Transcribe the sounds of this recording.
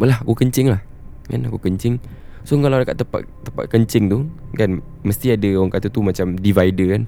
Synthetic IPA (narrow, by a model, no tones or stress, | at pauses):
məlaɦakukəɲt͡ʃɪŋlah | ka̰nakukəɲt͡ʃɪŋ | sokalawdəka̰t̪ːəpa̰t̪̚t̪ːəpa̰t̪̚kəɲt͡ʃɪŋt̪ukan | məst̪iadəwaŋkat̪ut̪umat͡ʃamdivaidəkan